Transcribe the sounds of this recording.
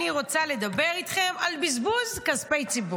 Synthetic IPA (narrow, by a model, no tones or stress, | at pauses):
iʁo̞t͡sale̞d̪abe̞ʁit̪χe̞malbizbuzkazpejt͡sibu